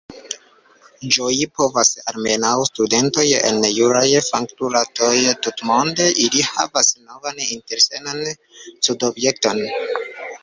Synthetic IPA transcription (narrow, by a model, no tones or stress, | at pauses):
d͡ʒojipo̞vasa̰ɾme̞nawstude̞nto̞jḛnːejuɾajfaŋktuɾato̞jtutmo̞nde̞ʔiliha̰vasno̞vaninte̞ɾsenan | sudo̞bje̞k̚to̞n